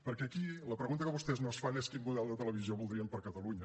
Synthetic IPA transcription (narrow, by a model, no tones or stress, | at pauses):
pəɾkɛːkiləpɾəɣunt̪əkəβust̪ɛznosfaneskinmuðɛlˠd̪ət̪ələβizioβulˠd̪ɾiəmpəɾkət̪əluɲə